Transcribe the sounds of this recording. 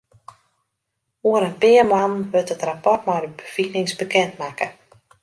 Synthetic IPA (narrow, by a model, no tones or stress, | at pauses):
oəɾənpɪəmanʋøtətrapɔrtmajdəbəfinɪŋsbəkɛntmakə